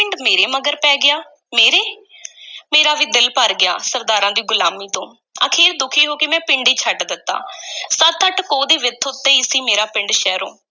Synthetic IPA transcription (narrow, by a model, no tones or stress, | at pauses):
pɪɳɖmeːɾeːməɡəɾpɛːɡɪjaː | meːɾeː | meːɾaːʋiːd̪ɪlpəɾɡɪjaːsəɾd̪aːɾãːd̪iːɡʊlaːmiːt̪õː | ə̰kʰeːɾd̪ʊkʰiːɦoːkɪmɛ̃ːpɪɳɖiːt͡ʃʰəʈd̪ɪt̪ːa̰ːsət̪ʰːəʈkoːd̪iːʋɪt̪ʰːʊt̪ːeːiːsĩːmeːɾaːpɪ̃ɳɖʃɛːɾo̰ː